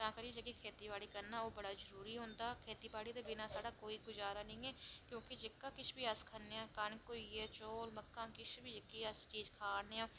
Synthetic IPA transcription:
t̪ãːkəɾiːd͡ʒəɡiːkʰeːt̪iːbaːɽiːkəɾnaːoːbəɽaːzəɾuːɾiːɦõːnd̪aːkʰeːt̪iːbaːɽiːd̪eːbɪnaːsaːɽaːkoːiːɡʊd͡ʒaːɾaːnəĩːɛːkjõːkɪd͡ʒɪkːaːkɪt͡ʃʰbiːəskʰənːeːãːkənkoːiːɛːt͡ʃoːlməkːãːkɪt͡ʃʰbiːd͡ʒəkːiːəst͡ʃiːzkʰaːneːãː

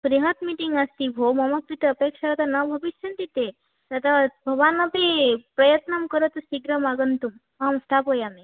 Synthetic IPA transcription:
kɾiɦɐt̪miʈiŋɡast̪ibʱomɐmɐk̚ɾit̪eɐpekʃɐkɐt̪anɐbʱɐʋiʃjɐnt̪it̪e | t̪ɐt̪abʱɐʋaːnɐpepɾɐjɐt̪nɐmkəɾɐt̪usiɡɾɐmaɡɐnt̪um | amst̪ʰapojame

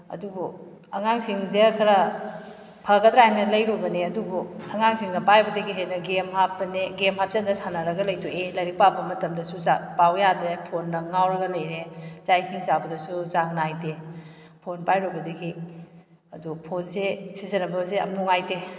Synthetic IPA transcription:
ɐ̰dubu | ɐŋaŋsiŋdekʰɐɾɐ | pʰɐɡɐdɾahanɐlɐjɾɔbɐneɐdubuɐŋaŋsiŋnɐpajbɐdɐɡiɦenɐɡemhap̚ːɐneɡemhap̚zendɐsanɐɾɐɡɐlɐjtuelɐɾik̚pabɐmɐtɐmdɐsuzapawjadɾepʰonːɐŋawɾɐɡɐlɐjɾezajsiŋsabɐdɐsuzaŋnajte | pʰonpajɾɔbɐdɐɡi | ɐdupʰonsesizɐnɐbɐzeɐ̰mnuŋajde

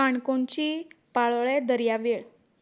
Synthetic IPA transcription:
aɳkoɳt͡ɕiːpaɭɭed̪əɾjaʋeɭ

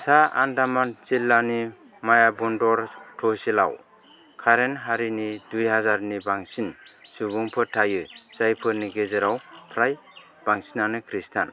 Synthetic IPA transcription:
saa̰ndamant͡ʃilːani | majabɔndɔɾtʰɔsila̰w | kʰaɾenɦaɾinidujɦazaɾnibaŋsinsubuŋpʰɯtʰajɯzajpʰɯniɡezɯɾawpʰɾaj | b̥aŋsinanɯkʰɾistʰan

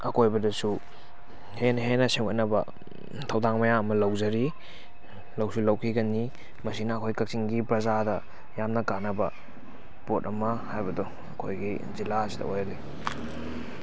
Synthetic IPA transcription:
ɐkojbɐdɐsu | henɐɦenɐseŋɡɐt̚nɐbɐ̰ | tʰɐwdaŋmɐjaɐmɐlɐwzɐɾi | lɐwsulɐwkʰiɡɐni | mɐsinɐːkʰojkɐk̚siŋɡipɾɐzadɐ | jamnɐkanɐbɐ | potɐmɐhajbɐdɔ | ɐ̰kʰojɡi | zilaɐsidɐ̰ojɐli

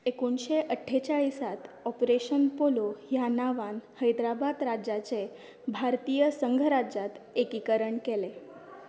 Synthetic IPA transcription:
ekunɕeʔəʈʰːet͡saɭisat̪ɔpɾeɕənpolojanaʋanhəjd̪ɾabad̪ɾad͡ʑat͡se | bʱaɾt̪ijəsəŋɡʱəɾad͡ʑat̪ekikəɾəɳkele

